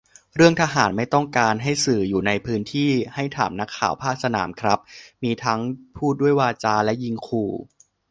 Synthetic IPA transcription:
ɾɯ˥˩əŋt̪ʰaː˧ɦaː˩˦nma˥˩jt̪ɔ˥˩ŋkaː˧nɦa˥˩jsɯː˨˩juː˨˩na˧jpʰɯː˦˥nt̪ʰiː˥˩ha˥˩jt̪ʰa̰ː˩˦mna˦˥kʰːa̰ː˨˩˦wpʰaː˥˩k̚sa˧na̰ː˩˦mkʰɾa˦˥p̚miː˧t̪ʰa˦˥ŋpʰuː˥˩t̪̚du˥˩əjwaː˧t͡ɕaː˧lɛ˦˥ji˧ŋkʰuː˧˩

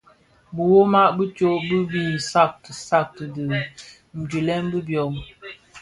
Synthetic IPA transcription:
bə˨wo˦ma˦ʔbə˦t͡ʃo˦ʔbə˦bi˦n̩˨sa˦˨k̚tə˨sa˦˨k̚tə˨də˨ | n̩˨d͡ʒi˨lɛ˦mbə˦bjɔ˨m

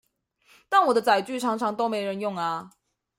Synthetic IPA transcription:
t̪a˥˩nwɔ˨˩d̪ə˦t͡sa˨˩ɪt͡ɕy˥˨ʈ͡ʂʰɑ˧˥ŋʈ͡ʂʰɑ˧˥ŋt̪o˥ʊme˧˥ɪɻə˧˦njʊ˥˩ŋa˨˩

